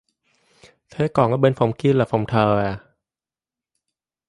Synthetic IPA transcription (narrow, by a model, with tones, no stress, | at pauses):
t̪ʰeː˦˥kɔː˨˩ŋkɔ˧˥be˧nfo˨˦mki˧la˨˩fʰo˨˦mt̪ʰəː˧ɛ˧˩